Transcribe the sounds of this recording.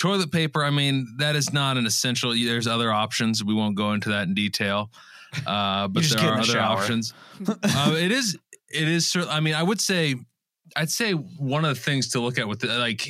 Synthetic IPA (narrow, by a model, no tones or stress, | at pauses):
tʰɔɹlˠət̚pʰeɪpə˞aɪmĩnðɨɾɨznəɾɨ̃nɨsɛ̃nʃl̩ˠðə˞zʌðə˞ɑpʃɨ̃nzwiwõʊ̃nɡ̥oʊɪ̃ntʉðɨɾɨ̃n̩ditʰeɪlˠ | ʔʌbʌtsðəɡɛʌðə˞ɑpʃɨ̃nz̥ʌ̃ɪɾɪzɪɾɪz̥sɜ˞ʔaɪmĩnaɪwəd̥seɪ | ʔaɪd̥seɪwʌ̃nʌvðɨθɪ̃ŋz̥tʰəlʊkɨt̚wɨðlaɪk